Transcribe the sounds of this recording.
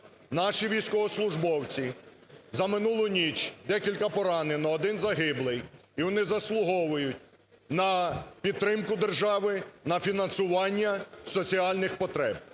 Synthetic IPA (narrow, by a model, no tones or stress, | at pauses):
nɑʃiʋʲijsʲkɔɦɔslˠʊʒbɔwt͡sʲi | zɐmɪnulˠʊnʲit͡ʃd̪ɛkʲilʲkɐpɔɾɑnenɔːd̪ɪnzɐɦɪblˠɪjiʋɔnɪzɐslˠʊɦɔʋʊjʊtʲ | nɐpʲid̪̚t̪ɾɪmkʊd̪erʒɑʋɪnɐfʲinɐnsʊʋɑnʲːɐsɔt͡sʲiɑlʲnɪxpɔt̪ɾɛb̚